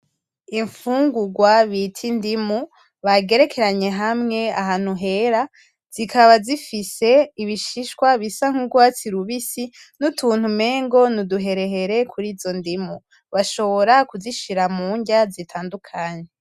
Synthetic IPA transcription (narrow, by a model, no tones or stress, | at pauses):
iɱfuːŋɡuɡwaβitʰindimu | βaɡe̞ɾe̞kʰe̞ɾaɲe̞ɦamŋe̞aɦaːn̥uɦe̞ɾa | z̥ikʰaβazifise̞iβiʃiʃkwaβisaŋ̥huɡwaːt͡siɾuβisi | nutʰuːn̥hume̞ːŋɡo̞nuduɦe̞ɾe̞ɦe̞ɾe̞kʰuɾiːzo̞ndimu | βaʃo̞βo̞ɾakuziʃiɾamuːɲɟazitʰaːndukʰaɲe̞